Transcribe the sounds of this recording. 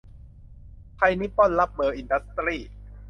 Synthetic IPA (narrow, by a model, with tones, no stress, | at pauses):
p̪ʰa˧jni˦˥pːɔ˥˩nla˦˥p̚mɤː˧ʔi˨˧nda˦˥st̪ɾiː˥˩